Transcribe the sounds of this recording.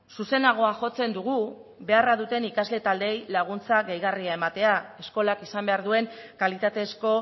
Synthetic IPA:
suse̞naɣ̞o̞aʝo̞t͡se̞nd̪uɣ̞u | βe̞araðut̪e̞nikazle̞t̪ald̪e̞jlaɣ̞unt͡saɣejɣariaemat̪e̞ae̞sko̞lakisambe̞aɾðue̞ŋkalit̪at̪e̞sko̞

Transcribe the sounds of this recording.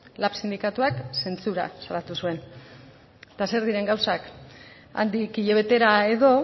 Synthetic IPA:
lapsind̪ikat̪uakse̞nt͡suɾa̰salat̪usue̞n | t̪ase̞ɾðiɾe̞ŋɡawsak | a̰nd̪ikiʎe̞β̞e̞t̪e̞ɾae̞ðo̞

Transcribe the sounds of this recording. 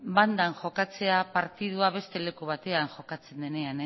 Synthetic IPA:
band̪aŋʝo̞kat͡se̞apaɾt̪ið̞uaβe̞st̪e̞le̞kuβ̞at̪e̞aŋʝo̞kat͡se̞nd̪e̞ne̞ane

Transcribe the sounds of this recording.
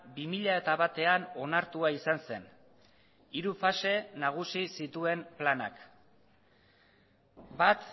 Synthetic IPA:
bimiʎae̞t̪aβat̪e̞ano̞naɾt̪uaisanse̞n | iɾufase̞naɣ̞usisit̪ue̞mplana̰k | bat̪

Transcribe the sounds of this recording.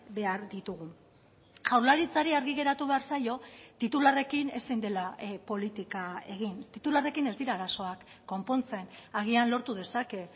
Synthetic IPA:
be̞aɾd̪it̪uɣ̞u | ʝawɾlaɾit͡saɾiaɾɣiɣe̞ɾat̪uβe̞aɾsajo̞t̪it̪ulare̞kine̞sind̪e̞lapo̞lit̪ikae̞ɣ̞int̪it̪ulare̞kine̞zd̪iɾaːɾaso̞akːo̞mpo̞nt͡se̞naɣ̞ianlo̞ɾt̪uð̞e̞sake̞

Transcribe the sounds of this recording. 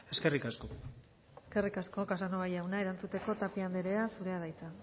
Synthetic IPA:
e̞ske̞rikasko | eske̞rikasko̞kasanoβajawnae̞ɾant͡sut̪e̞ko̞t̪apiand̪eɾeasuɾe̞að̞ajt͡sa

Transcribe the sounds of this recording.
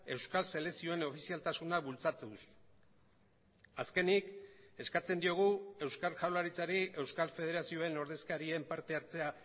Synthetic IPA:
e̞wskalse̞le̞sio̞e̞no̞fisialt̪asunaβult͡sat̪us | aske̞nike̞skat͡se̞nd̪io̞ɣ̞ue̞wskaɾʝawlaɾit͡saɾiʔe̞wskalfe̞ð̞e̞ɾasio̞e̞no̞ɾð̞e̞skaɾiempaɾt̪e̞aɾt͡se̞a

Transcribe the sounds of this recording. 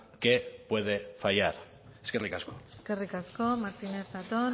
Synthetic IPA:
ke̞pwe̞ðe̞fajaɾ | eskerikaskoeske̞rikasko̞maɾt̪inezðat̪o

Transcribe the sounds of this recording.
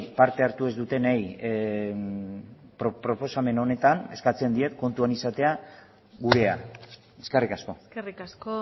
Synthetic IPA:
paɾt̪e̞aɾt̪ue̞zd̪ut̪e̞naj | pɾopɾo̞po̞same̞no̞ne̞t̪ane̞skat͡se̞nd̪ie̞t̪ko̞nt̪uanisat̪e̞a | ɣuɾe̞a | eskerikasko̞erikasko

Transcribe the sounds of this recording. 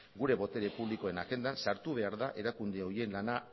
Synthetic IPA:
ɡuɾe̞βo̞t̪e̞ɾe̞puβliko̞e̞naɣe̞nd̪ansaɾt̪uβe̞aɾðaʔe̞ɾakund̪eo̞ie̞nlana

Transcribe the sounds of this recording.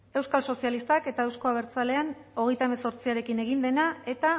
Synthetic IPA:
e̞wskalso̞sialist̪ake̞t̪aewsko̞aβ̞e̞ɾt͡sale̞ano̞ɣ̞e̞jt̪aeme̞so̞ɾt͡siaɾe̞kine̞ɣ̞ind̪e̞nae̞t̪a

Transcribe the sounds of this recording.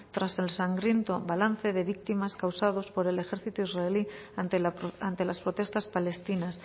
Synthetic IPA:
t̪ɾase̞lsaŋɡɾje̞nt̪oβalan̟θe̞ðe̞βik̚t̪imaskawsað̞o̞spo̞ɾe̞le̞xe̞ɾθit̪oizraeli | ant̪e̞laspɾo̞t̪e̞st̪aspale̞st̪inas

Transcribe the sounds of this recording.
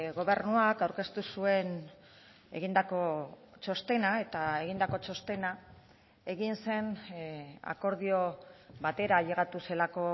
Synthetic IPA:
ɣo̞βe̞rnuakawɾke̞st̪usue̞n | e̞̰ɣind̪ako̞t͡ʃo̞st̪e̞nae̞t̪ae̞ɣind̪ako̞t͡ʃo̞st̪e̞na | e̞ɣinse̞n | a̰ko̞ɾð̞io̞βat̪e̞ɾaʎe̞ɣat̪use̞lako̞

